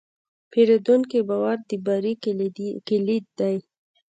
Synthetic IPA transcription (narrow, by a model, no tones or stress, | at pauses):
pʰeɾed̪uŋkebɑwaɾd̪əbɑɾikilid̪̚d̪aj